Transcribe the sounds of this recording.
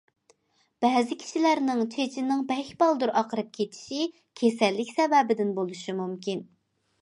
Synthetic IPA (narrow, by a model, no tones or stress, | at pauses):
b̥ɛːzɪkʲʰi̥ʃilæɾnɪŋt͡ʃʰet͡ʃʰinːɪŋbɛkʲbɑlˠd̪uɾʔɑqəɾɨp̚kʲʰet̪ʰi̥ʃi | kʲʰesɛlːɪkʲsɛvɛbɪd̪ɪnbolˠuʃimumkʲin